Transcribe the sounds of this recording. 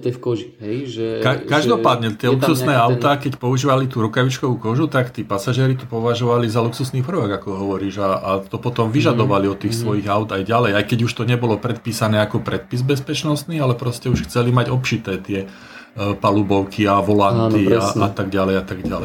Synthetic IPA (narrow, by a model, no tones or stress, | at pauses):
kɔʒiɦɛkakaʒd̪ɔpaːd̪ɲɛt̪ɪɛlukssusnɛːaʊt̪aːkɛcpɔuʒiːʋalit̪uːɾukaʋit͡ʃkɔʋuːkɔʒut̪akt̪iːpasaʒiɛːɾit̪ɔpɔʋaʒɔʋalizaluksusniːpr̩ʋaɡakɔɦɔʋɔɾiːʒaat̪ɔpɔt̪ɔmʋiʒad̪ɔʋaliɔt̪ːiːxsʋɔjiɣaʊd̪ajɟalɛjajkɛɟuʃt̪ɔɲɛbɔlɔpɾɛt̪̚piːsanɛːakɔpɾɛt̪̚pizbɛspɛt͡ʃnɔst̪niːalɛpɾɔscɛuʃxt͡sɛlimaɟɔpt͡ʃit̪ɛːt̪ɪɛ | palubɔʊkʰiaʋɔlant̪iaa̰t̪aɡɟalɛjat̪aɡɟalɛj